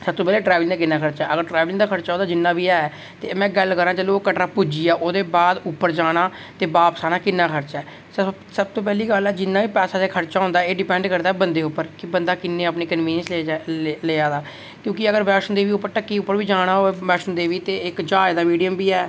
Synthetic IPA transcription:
səb̚t̪oːpɛːleːʈɾaːʋlɪ̃ŋd̪aːkɪnːaːkʰəɾt͡ʃaːəɡəɾʈɾaːʋlɪŋd̪aːkʰəɾt͡ʃaːod̪aːd͡ʒɪnːaːbiːɛːɛː | t̪eːmɛ̃ːɡəlkəɾãːd͡ʒəːloːkəʈɾaːpud͡ʒiːaːʔoːd̪eːbaːd̪ʊpːəɾd͡ʒaːɽ̃aː | t̪eːbaːpəsaːnaːkɪnːãːkʰəɾt͡ʃɛː | s | səb̚t̪oːp̬ɛːliːɡəlɛːd͡ʒɪnːaːʋiːpɛːsaːd͡ʒaːkʰəɾt͡ʃaːɦʊnd̪aːeːɖɪpɛ̃ːɳɖkəɾd̪aːɛːbənd̪eːʊpːəɾkɪbənd̪aːkɪnːeːəpneːkənʋiːəns | leːaːd̪aː | kjõːkɪəɡəɾʋɛːsənd̪eːʋiːʊpːəɾʈəkːiːʊpːəɾʋiːd͡ʒaːɽ̃aːoɛʋɛːʃənd̪eːʋiːt̪eːɪkd͡ʒaːd̪aːʋiːɖijəmbiːɛː

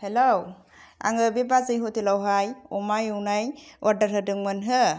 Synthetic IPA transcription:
helow | a̰ŋɯbebazɯjɦutilawɦajɔmajuwnajwʔaɾdaɾɦɯdɯŋmɯnɦɯ

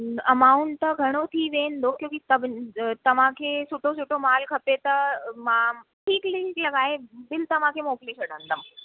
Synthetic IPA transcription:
ɐmauɳt̪əɡʱɐɽ̃ot̪ʰiːʋeːnd̪okjõːkit̪əbʱt̪ɐʋ̤ãkʰesuʈʰosuʈʰomaːlkʰɐpet̪əmãʈʰiːkliklɐɡaːɦebɪlt̪ɐʋ̤ãkʰemoːklesɐɽə̃nd̪ʱəm

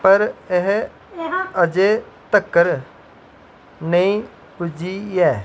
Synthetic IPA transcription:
pəɾeɦ | əd͡ʒe | t̪əkːəɾ | nəĩ | pud͡ʒijɛː

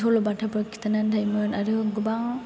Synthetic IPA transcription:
olɔbatʰapɯkʰi̥t̪ʰanandʰajmɯnaɾɯɡɯbaŋ

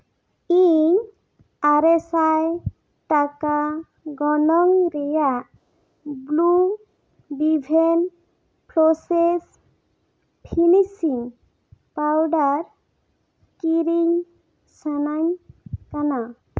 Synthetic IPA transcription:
iɲ | aɾɛsaj | ʈaka | ɡɔnɔŋɾɛjaʔ | blu | ɖibʱen | pɾɔses | pʰinisiŋ | pawɖaɾ | kiɾiŋ | sanaɲkana

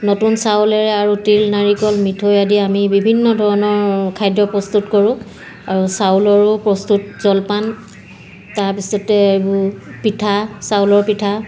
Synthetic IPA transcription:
notunsawlɛɹɛaɹutilnaɹikɔlmitʰojadiamibibʱinːɔdʱɔɹɔnɔɹkʰajdɹɔpɹɔstutkɔɹʊ̃ | aɹusawlɔɹʊpɹɔstut̚zɔlpan | taɹpisɔtɛebʊpitʰasawlɔɹpitʰa

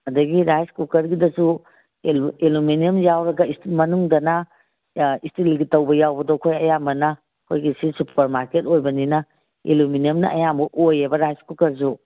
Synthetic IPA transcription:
ɐdɐɡiɾajskukɐɾɡidɐsu | eluminiɐmjawɾɐɡɐistilmɐnuŋdɐnɐ | istilɡitɐwbɐjawbɐdɔkʰojɐjambɐnɐ | ɐkʰojɡisisupʰɐɾmaɾketojbɐninɐ | iluminiɐmnɐʔɐjambɐʔojebɐɾajskukɐɾs̬u

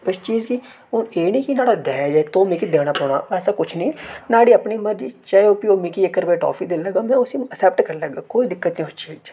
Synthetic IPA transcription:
ʊst͡ʃiːd͡ʒki | ʊneːniːkinaːɽaːd̪ɛːd͡ʒaːt̪oːmiːkid̪eːɽ̃aːpɔːɽ̃a̰ːpɛːsaːkʊt͡ʃʰnĩːnaːɽiːəpniːməɾd͡ʒiːt͡ʃaːeoːpioːmikiekːəɾbeːʈɔ̰ːpʰiːd̪eːləɡaːmɛ̃ːʊsĩəsɛːp̚ʈkəɾləɡaːkoːiːd̪ɪkːət̪niːʊst͡ʃiːd͡ʒ

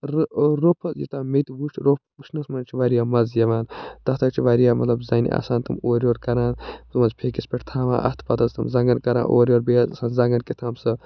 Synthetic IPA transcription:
ɾɾopʰjḭt̪aːmet̪ʋuʃɾopʰbuʃʰnɐsmɐnt͡ʃʰiʋaːɾijaːmɐzjɐʋaːnt̪ɐht̪ʰɐt͡ʃʰiʋaːɾijaːmɐt̪lɐbzaːnḭʔa̰ːsaːnt̪ɐmoːɾʲjoːɾkɐɾaːnumɐzpʰeːkispʲeʈʰt̪ʰaːʋa̰ːʔɐ̰ht̪ʰpɐt̪ɐzt̪ɐmzɐŋɡɐnkɐɾa̰ːʔo̰ːɾʲjoːɾbeːzsaːnzɐːŋɡɐnkit̪ʰaːmsɨ

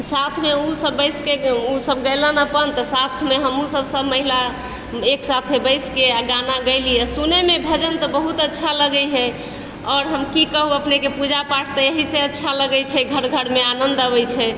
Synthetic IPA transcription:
sat̪ʰmeusəbːəɪskeusəbɡəjlənəpənt̪əsat̪ʰmeɦəmusəbsəbməɦila | eksat̪ʰebəjskeaɡanaɡəɪlijɛsunemebʱəd͡ʒənt̪ɔbəɦut̪ətːʃʰaləɡəjɦɛ | ɔɾɦəmkikəɦuəpnekepud͡ʒapaʈʰt̪əjəɦiseətːʃʰaləɡəjt͡ʃʰɛɡʱəɽɡʱəɽmeanənd̪əβəjt͡ʃʰɛ

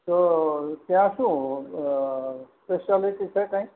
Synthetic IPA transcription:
t̪ot̪jãʃũ | speʃaliʈit͡ʃʰɛkãĩ

